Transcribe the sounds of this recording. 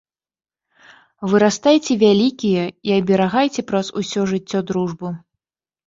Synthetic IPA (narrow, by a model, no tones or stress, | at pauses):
vɨɾast̪ajt͡sʲɛvʲalʲikʲijɛiɐbʲɛɾaɣajt͡sʲɛpɾɐzusʲɔʐɨt͡sʲːɔd̪ɾuʐbɨ